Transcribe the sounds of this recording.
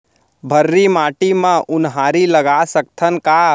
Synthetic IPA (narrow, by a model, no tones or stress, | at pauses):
bʱəɾːimaːʈimãʔʊnɦaːɾiləɡasək̚t̪ʰənka